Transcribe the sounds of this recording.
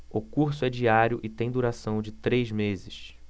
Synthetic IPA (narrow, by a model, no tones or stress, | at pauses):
ʊkuɾsʊɛd͡ʒiaɾjʊʔɪt̪ẽj̃d̪uɾasɐ̃w̃d͡ʒɪt̪ɾejzmezɪʃ